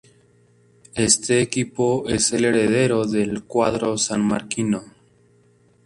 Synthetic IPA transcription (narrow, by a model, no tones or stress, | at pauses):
e̞st̪e̞ːkipo̞e̞se̞le̞ɾe̞ð̞e̞ɾo̞ðe̞lkwaðɾo̞sanma̰ɾkino